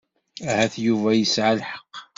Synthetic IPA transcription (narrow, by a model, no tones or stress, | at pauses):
æhæθjuvæjəsʕalħə̥qː